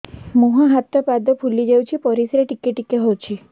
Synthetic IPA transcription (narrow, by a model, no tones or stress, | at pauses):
moɦãɦat̪ɔpad̪ɔpʰulid͡ʒawt͡ʃʰipɔɾisɾeʈikeʈikeɦowt͡ʃʰi